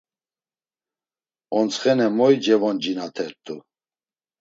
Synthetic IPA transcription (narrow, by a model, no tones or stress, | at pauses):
ɔnt͡sχɛnɛmɔjd͡ʒɛvɔnd͡ʒinat̪ʰɛɾt̪ʼu